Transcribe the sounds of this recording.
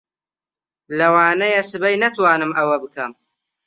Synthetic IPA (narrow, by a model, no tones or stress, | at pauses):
lɐwaːnɐjɐsɨbɐjnɐt̪waːnɨmʔɐwɐbɨkʰɐm